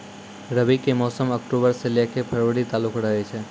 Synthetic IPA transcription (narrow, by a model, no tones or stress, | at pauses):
ɾəbikemɔːsəməkʈobəɾselekʰepʰəɾʋəɽit̪alukʰɾəɦet͡ʃʰe